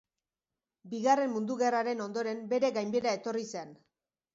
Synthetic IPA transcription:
biɣare̞mmund̪uɣe̞raɾe̞no̞nd̪o̞ɾe̞mbe̞ɾe̞ɣajmbeɾae̞t̪o̞rise̞n

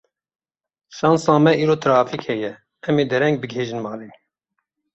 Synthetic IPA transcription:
ʃɑːnsɑ̃ːmɛʔiːɾoːt̪ʰɾɑːfiːkhɛjɛ | ɛmeːd̪ɛɾɛŋɡ̚bɨɡɦeːʒɨnmɑːleːn

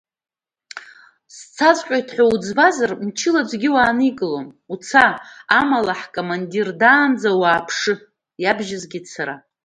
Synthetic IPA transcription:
st͡sʰazqʲʷʼajtʰħʷaud͡zbazarmt͡ʃʰɪlad͡ʒʷɡʲɪwaːnɨiɡʼɨlom | ut͡sʰaːamalaħkʼomandirdaːnd͡zawaːpʰʂɨ | jabʒazɡʲɪt͡sʰaɾa

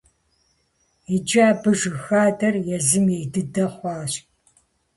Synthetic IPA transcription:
id͡ʒaːbɨʒɨxaːdɐrjɛzɨmejdɨdɐχʷɑːɕ

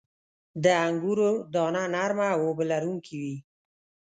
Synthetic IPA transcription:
d̪əaŋɡuɾod̪ɑnanaɾmawobəlaɾuŋkʰiwi

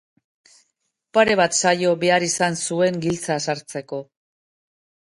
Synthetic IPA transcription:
paɾe̞βat̪sajo̞βe̞aɾisansue̞ŋɡilt͡sasaɾt͡se̞ko̞

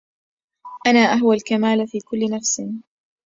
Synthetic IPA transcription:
ʔanaːʔaɦwalkamaːlfiːkʊlːnafsɪn

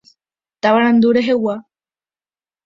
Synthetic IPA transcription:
t̪aβaɾãnd̪uɾeɦewa

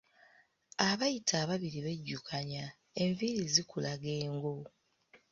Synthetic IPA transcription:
aβajitʰaːβaβiɾiβe̞ɟːukʰaɲa | e̞ɱviɾizikulaɡe̞ːŋɡo̞

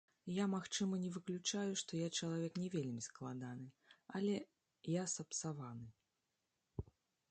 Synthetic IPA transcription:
jamaxt͡ʂɨmɐnʲɛvɨklʲut͡ʂajuʂt̪ɔjat͡ʂɐlˠavʲɛknʲɛvʲelʲmʲisklˠad̪anɨ | alʲɛ | jasɐpt̪savanɨ

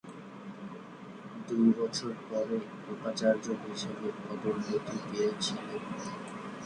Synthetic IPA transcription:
d̪ujbɔt͡ɕʰoɾpɔɾe | ɾupat͡ɕaɾd͡ʑobiʃɔbeɾpɔd̪oɾnot̪iɡeet͡ɕʰilen

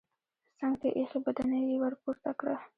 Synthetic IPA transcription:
saŋɡt̪eʔexibad̪anajiwəɾpuɾt̪akɽa

